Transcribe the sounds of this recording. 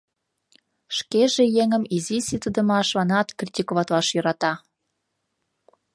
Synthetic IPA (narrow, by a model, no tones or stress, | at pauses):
ʃkeʒejeŋəmizisit̪əd̪ə̆mɑʃβɑnɑt̪krʲit̪ʲikoβɑt̪lɑʃjø̆ɾɑt̪ɑ